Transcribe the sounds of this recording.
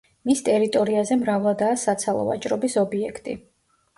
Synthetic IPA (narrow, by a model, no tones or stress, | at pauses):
mist̪ʼɛɾit̪ʼɔɾiazɛmɾavlˠad̪aːsat̪sʰalˠɔ̰va̰t͡ʃʼɾɔbisɔbiɛkʰt̪ʼḭ